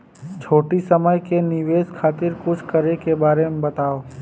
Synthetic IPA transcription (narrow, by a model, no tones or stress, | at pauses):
t͡ʃʰoːʈisɐməjkenɪʋeːskʰaːt̪ɪɾkʊt͡ʃʰkɐɾekebaːɾemebɐt̪aːoː